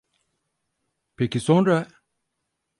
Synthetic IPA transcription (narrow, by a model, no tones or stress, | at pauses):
pekisɔnɾa